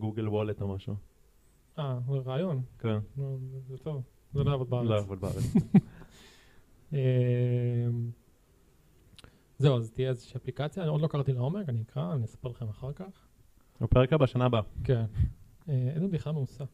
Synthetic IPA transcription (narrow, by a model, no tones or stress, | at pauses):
ɡuɡelwolet̪omaʃu | azeʁaːjo̞nkennuzet̪o̞v | zeloavod̪̚beaaʁoavod̪baa̰ʁet͡s | e | m | ze̞uazt̪ijeezeʃiːaplikat͡sjao̞d̪lo̞kaʁt̪ilao̞me̞kaniikʁaniesḁpeʁlaχemaχaʁkaχ | apeʁekabaʃanabaken | eezebiχlalmeusa